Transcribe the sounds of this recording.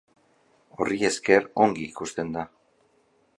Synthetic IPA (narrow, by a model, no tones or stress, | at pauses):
o̞rie̞ske̞ɾo̞ŋɡiːkust̪e̞nd̪a